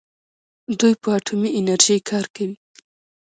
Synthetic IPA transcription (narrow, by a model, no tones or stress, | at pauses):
d̪ujpəaʈʰumiʔɪnaɾʒijkʰɑɾkawi